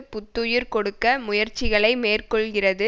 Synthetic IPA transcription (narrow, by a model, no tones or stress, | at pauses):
pʊt̪ːɯjɯɾkɔɽɯkːɐmʊjɐɾt͡ʃːɪɣɐɭɐɪmeːrkɔɭɣɪrɐðɯ